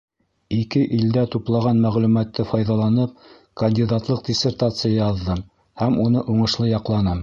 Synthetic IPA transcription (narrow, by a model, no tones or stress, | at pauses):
ikɘʔild̪æt̪uplˠɑʁɑnmæʁlʉmæt̪ːɘfɑjðɑlˠɑnɤp̚ | kɐnʲdʲid̪at̪lˠɤq̚dʲɪsʲert̪at̪sɨjɑjɑðːɤm | hæmunɤʔuɴɤ̆ʃlˠɤjɑqlˠɑnɤm